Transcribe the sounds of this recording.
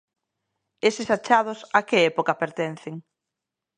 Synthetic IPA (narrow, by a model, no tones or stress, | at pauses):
esɪsat͡ʃaðʊsakɪɛpokɐpeɾt̪en̟θeŋ